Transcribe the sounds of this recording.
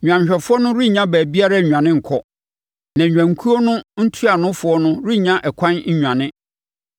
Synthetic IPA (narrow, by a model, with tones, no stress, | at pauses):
ɲᶣ˨ã˨ɲ˨ɕᶣɛ˨fʊ˦ɔ˦nʊ̃˦ɾi˦˨ɲã˦bæː˨bi˦a˦ɾa˦˨ɲᶣ˨ã˨nɪ̃˦ŋ̩˨kʰɔ˦ | nã˨ɲᶣã˨ŋ˨kʰu˦ɔ˦nʊ̃˦n̩˦tʰu˦a˨nʊ̃˦fʊ˨ɔ˦nʊ̃˦ɾi˦˨ɲã˦ʔɛ˨kʷʰã˦nɲ̩˦ɲᶣã˨nɪ̃˦